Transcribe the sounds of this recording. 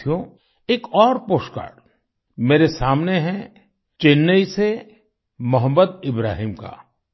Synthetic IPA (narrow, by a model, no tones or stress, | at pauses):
jõ | eːkɔːɾpoːʃka̰ːɽ | meːɾesaːmneɦɛ̃ | t͡ʃeːnːəise | mɐɦəmːəd̪ɪbɾa̰ːɦiːmka̰ː